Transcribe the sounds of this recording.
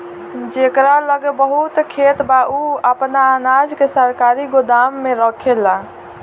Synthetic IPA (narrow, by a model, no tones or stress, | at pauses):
d͡ʒekɾaləɡbəɦut̪kʰet̪bauəpnaːnad͡ʒkesəɾkaɾiɡod̪amːeɾɔkʰela